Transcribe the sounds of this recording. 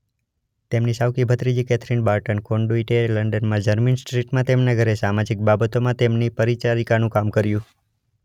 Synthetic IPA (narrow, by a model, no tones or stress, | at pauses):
t̪emnisawkibʱət̪ɾid͡ʒikɛt̪ʰɾinbaɾʈənkoɳɖoiʈeləɳɖənmãd͡ʒəɾminsʈɾiʈmãt̪emnaɡʱəɾesamad͡ʒik̚babət̪omãt̪emnipəɾit͡ʃaɾikanũkamkəɾjũ